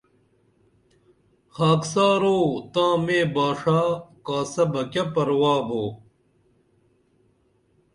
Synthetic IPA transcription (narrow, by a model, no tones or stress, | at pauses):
xaːksaːɾoːt̪ãːmeːbaːʂaːkaːsɐbɐkɐpɐɾwaːboː